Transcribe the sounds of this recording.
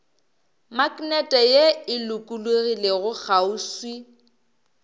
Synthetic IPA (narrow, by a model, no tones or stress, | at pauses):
makʼnɛtʼɛjeɪlʊkʼuluɣileɣʊk͡xʰauswi